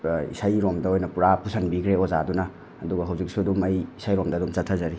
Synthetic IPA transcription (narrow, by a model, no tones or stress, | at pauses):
ḭsajɾomdɐojnɐpuɾapusʰanbikʰɾeozadunɐː | duɡɐɦɐwzik̚sudumɐjisʰajɾomdɐdumt͡ʃɐtʰazɐɾi